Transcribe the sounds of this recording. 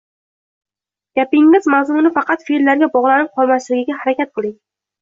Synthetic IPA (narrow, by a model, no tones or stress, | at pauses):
ɡ̥ʲapɪŋmɪzmawzʊnɪfɑqʰɑt̪fiɾlaɾɡʲabɒʁlˠanɪp̚qʰɒlˠmaslɪɡʲɪɡʲahaɾakʲat̪̚qʰɨlˠɪŋ